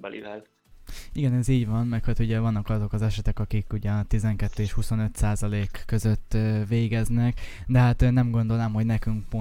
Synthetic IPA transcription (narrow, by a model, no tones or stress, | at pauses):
bɛlḭvɛl | iɡɛnɛziːɟvɒnmɛrkhot̪uɟɛvɒnːɒkɒzo̞kɒzɛʃɛt̪ɛkɒkikuɟɛɒt̪izɛŋkɛt̪ːøːeʃhuso̞nø̞t̪saːzɒleːkːø̞zø̞t̪ːʋeːɡɛznɛkd̪ɛɦat̪nɛmɡo̞nd̪o̞lnɛmho̞ɟnɛkyŋkpo